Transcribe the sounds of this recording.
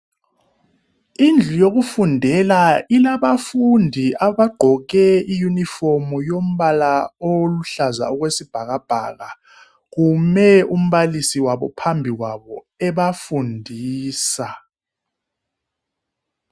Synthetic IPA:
ind͡ɮʱujoɣufundʱɛlailaβafundʱiʔaβaɡ͡ǃʱɔɣɛijuniformujom̩βalaoluɬaza̰uɣwesib̥ʱaɣab̥ʱa̰ɣa | ɣumɛum̩ɓalisiwaβɔ̰pʰambʱiɣwaβɔ | ɛβafundʱiːsa

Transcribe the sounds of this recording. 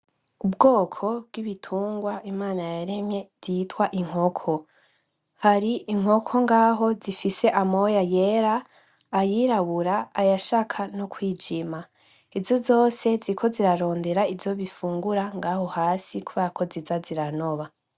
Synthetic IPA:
ubɡo̞ːkʰo̞b̚ɡ̥iβitʰuːŋɡwaimaːnajaɾe̞mje̞z̥itwaʔiŋ̥o̞kʰo̞ | haɾiiŋ̥ho̞kʰo̞ŋɡaːɦo̞zifise̞ʔamo̞jajeɾaː | jiɾaβuɾaːjaʃaːkʰanokwiːd͡ʒima | ivjo̞zo̞ːse̞zikʰo̞ziɾaɾo̞ːnde̞ɾaivzo̞βifuːŋɡuɾaŋɡaho̞haːsikuβakʰo̞zizaziɾano̞βa

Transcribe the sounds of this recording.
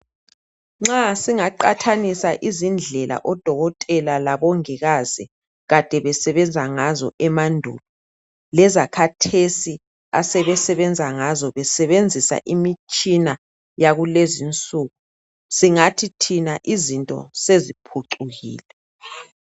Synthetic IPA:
ŋ͡ǁasiŋaǃatʰanisaʔizind͡ɮʱɛla̰ʔɔd̥ʱɔɣɔtʼɛlalaβɔŋɛɣazi | ɣad̥ʱɛβɛsɛβɛnd͡zʱaŋazɔ̰ʔɛmandʱṵːlɔ | lɛzakʰatʰesi | a̰sɛβɛsɛβɛnd͡zʱaŋazɔβɛsɛβend͡zʱisa̰ʔimit͡ʃʼina | jaɣulezint͡sʼuːɣu | siŋatʰitʰinaʔizintʼɔ̰sezipʰuǀuɣḭːlɛ

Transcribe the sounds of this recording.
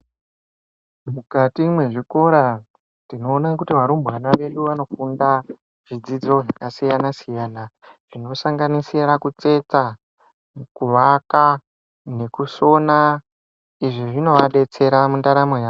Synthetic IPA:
mukatimwe̞ʐiko̞ɾa | ndino̞ːnakutiʋaɾumbanaʋe̞ɗuʋano̞funda | ʐ̥id͡zid͡zo̞nasijanasijaːnaʐ̥ino̞saŋɡanisiɾakut͡se̞t͡sa | kuʋaka | ne̞kuso̞na | iʐiʐino̞ʋaɗe̞t͡se̞ɾamundaɾamo̞jaː

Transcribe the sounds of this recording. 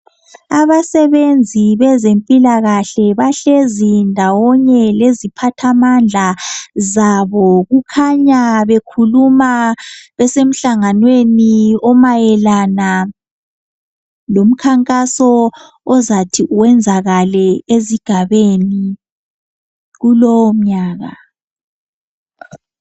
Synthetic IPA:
aβasɛβend͡zʱiβɛzempʼilaɣaɬɛβaɬezindʱawɔɲɛlezipʰatʰamand͡ɮʱazaβɔɣukʰaɲaβekʰulumaβɛsem̩ɬaŋanweniɔmajɛlana | lom̩kʰaŋkʼasɔː | zatʰiʔuwɛnd͡zʱaɣalɛeziɡ̥ʱaβeni | ɣulɔwɔm̩ɲaːɣa̰

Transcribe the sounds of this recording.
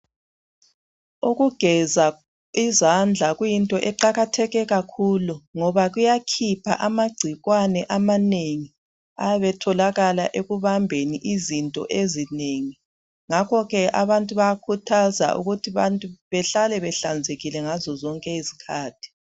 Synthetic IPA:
uɣuɡ̥ʱɛza | izand͡ɮʱaɣujintʼɔʔɛǃaɣatʰɛɣɛɣakʰuluŋɔβaɣujakʰipʰa̰ʔamaɡ͡ǀʱiɣwanɛʔamaneŋi | a̰jaβɛtʰɔlaɣala̰ʔeɣuβambʱeniʔizintʼɔ̰ʔezineŋi | ŋakʰɔɣɛʔa̰βantʼuβaakʰutʰaza̰ʔṵɣutʰiβantʼuβɛɬalɛβɛɬand͡zʱeɣilɛŋazɔzɔŋkʼɛizi̥kʰaːtʰi̥

